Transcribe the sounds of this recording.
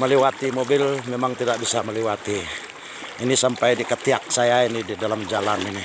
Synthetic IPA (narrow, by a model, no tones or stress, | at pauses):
məlɛwat̪imobɪlmemaŋt̪idak̚bisaməlɛwat̪iː | nisampajdikət̪iak̚sajainididalamd͡ʒalanini